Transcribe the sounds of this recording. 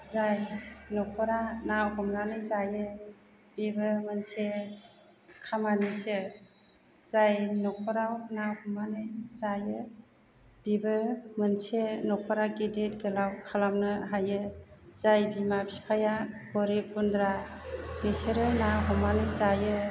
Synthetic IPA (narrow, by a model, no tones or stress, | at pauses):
zajnɔkʰɔɾanawhɔmnanɯjzajɯ | b̥ibɯmɯnse | kʰamanisɯ | zajnɔkʰɔɾawnawhɔmanɯjzajɯ | b̥ibɯmɯnsenɔkʰɔɾaɡidet̚ɡɯlawkʰalamnɯɦajɯz̥ajbimabipʰajaɡɔɾip̚undɾabeseɾɯnaɦɔmanɯzajɯ